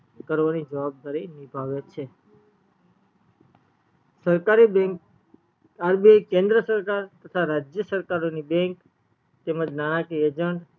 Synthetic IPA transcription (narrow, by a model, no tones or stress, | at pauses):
kəɾʋanid͡ʒəʋab̚d̪aɾinibʱaʋet͡ʃʰe | səɾkaɾibẽŋk | aɾbiekẽnd̪ɾəsəɾkaɾt̪ət̪ʰaɾad͡ʒjəsəɾkaɾonibẽŋk | t̪eməd͡ʒnanakied͡ʒəɳʈ